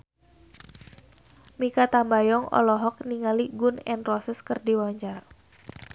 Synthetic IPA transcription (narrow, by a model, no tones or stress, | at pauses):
mikat̪ambajɔŋɔ̰lɔɦɔk̚niŋaliɡʊnɛ̰nrɔsəskərdiwɔɲd͡ʒar